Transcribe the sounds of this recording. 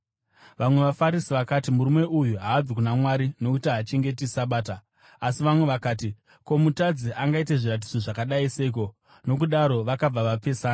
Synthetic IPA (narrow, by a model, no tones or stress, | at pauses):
ʋamwe̞ʋafaɾisiʋakatimuɾume̞ʔujuɦaːd͡zkunamwaɾino̞kutiɦat͡ʃe̞ŋɡe̞tisaɓaːta | asiʋamwe̞ʋakaːti | ko̞mutad͡ziʔaŋɡaite̞ʐiɾat̬id͡zo̞ʐakaɗaiseik̬o̞ | no̞k̬uɗaɾo̞ʋakab͡vaʋape̞ːsaː